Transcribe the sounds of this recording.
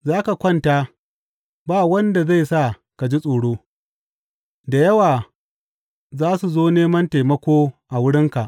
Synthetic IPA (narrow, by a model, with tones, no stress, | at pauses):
zaː˦ka˨kʷɐ˦˨ntaː˦ | baː˦˨wɐ˦nda˨za˦˨jsa˦˨ | ka˨d͡ʒi˦sʼoː˨ɽoː˦ | da˨jɐ˦waː˨ | zaː˦su˨zoː˦neː˦mɐ˦nta˨mɐ˦kʷoː˦ʔa˨wʊ˦ɽɪ˦ŋka˨ʔ